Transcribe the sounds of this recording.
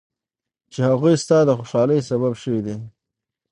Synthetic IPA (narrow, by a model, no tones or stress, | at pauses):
t͡ʃehaɣujst̪ɑd̪əxoʃɑləjsaβabʃəwid̪e